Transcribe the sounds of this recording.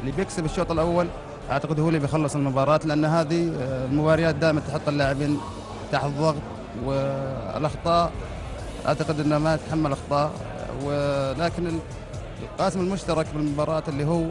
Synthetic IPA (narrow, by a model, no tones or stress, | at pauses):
ʔɪlːibjɪksɪbɪʃːoɾt̪ˤɑlʔawːal | ʔa̰ʕt̪aqɪd̪huːlibjxɑlːɨsˤɪlmʊbɑːɾˤɑːt̪lɪʔanːɦaːðilmʊbɑːɾɪjaːt̪̚d̪aːʔɪmant̪ħʊt̪ˤːɪlːaʕɪbiːn | bt̪aːħðˤːɑɣt̪ˤ | wɪ̰lʔɑxt̪ˤɑːʔ | ʔa̰ʕt̪aqɪd̪ʔɪnːamat̪ħamːalʔɑxt̪ˤɑːʔ | wɪlaːkɪnɪ | lqɑːsɪmɪlmʊʃt̪ɑɾˤɑkbɪlmʊbɑːɾˤɑːt̪ɪlːiːɦuː